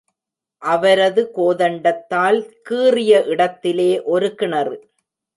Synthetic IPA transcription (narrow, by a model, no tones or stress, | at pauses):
ʔɐʋɐɾɐðɯkoːðɐɳɖɐt̪ːaːlkɯːrɪjɐʔɪɽɐt̪ːɪleːʔɔɾɯkɪɳɐrɯ